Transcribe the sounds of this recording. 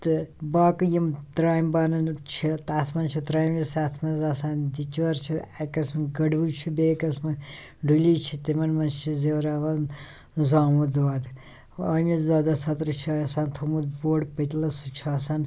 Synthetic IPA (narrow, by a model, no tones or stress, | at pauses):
t̪ɨbaːkɨjimt̪ɾaːjmbaːnɐnt͡ʃʰit̪aːt̪ʰmɐnt͡ʃʰit̪ɾaːjmjisaːt̪ʰmɐnzasaːnd̪it͡ʃʋɐɾt͡ʃʰiakɐsmɨɡɐɖbut͡ʃʰubeːkɐsmɐ | ɖulit͡ʃʰit̪emɐnmɐnt͡ʃʰizewɾaːʋan | zaːmud̪ʋaːd̪ | ɐmizd̪aːd̪asɐt̪ɾɨt͡ʃʰusaːnt̪ʰumud̪boːɽpɐt̪lɐsut͡ʃʰuasan